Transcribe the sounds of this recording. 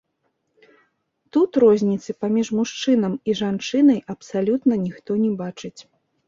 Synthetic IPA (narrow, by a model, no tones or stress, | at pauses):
t̪ut̪rɔzʲnʲit̪sɨpamʲiʐmuʂt͡ʂɨn̪ɐmiʐant͡ʂɨnɐjʔɐpsalʲut̪nɐnʲixt̪ɔnʲɛbat͡ʂɨt͡sʲ